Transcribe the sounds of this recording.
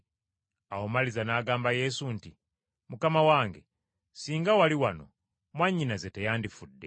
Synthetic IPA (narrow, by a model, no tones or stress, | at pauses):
awo̞malizanaːɡaːmbaje̞sunti | mukamawaːŋɡe̞ | siːŋɡawaliwano̞̰ | mwaɲːinazetejaːndifudːe̞